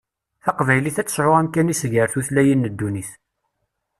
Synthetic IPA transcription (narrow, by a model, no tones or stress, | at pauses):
θɑqvæjliθæt͡sːə̥ʃɾoʁæmkːænisʝəɾθuθlæjinːəd̪ːuniθ